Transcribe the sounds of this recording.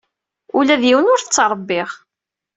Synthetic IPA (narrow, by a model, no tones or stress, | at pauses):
ulæðjiwənʊɾθət͡sːɾˤəbːɪʁ